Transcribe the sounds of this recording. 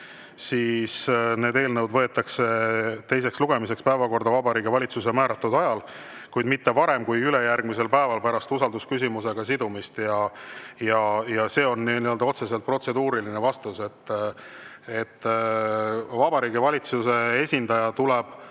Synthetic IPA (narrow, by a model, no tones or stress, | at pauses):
siːsne̞ːd̪e̞ːlnɤwd̪vɤ̞e̞t̪ːˑɑkse̞t̪e̞js̬e̞ksluɡ̥e̞mise̞kspæevɑko̞rd̪ɑvɑbɑɾiːɡivɑlʲit̪sus̬e̞mæːɾɑt̪ːˑud̪ɑjɑl | kujd̪mit̪ːe̞vɑɾe̞mkujyle̞jærɡ̥mise̞lpæevɑlpæɾɑst̪usɑld̪uskys̬ʲimuse̞ɡ̥ɑsid̪umist̪jɑjɑjɑse̞ːo̞nːiniøld̪ɑo̞t̪se̞se̞lt̪̚pro̞t̪se̞d̪uːɾilinevɑst̪use̞t̪ː | e̞t̪ː | vɑbɑɾiːɡ̥ivɑlʲit̪suse̞e̞sʲind̪ɑjɑt̪ulɛb̥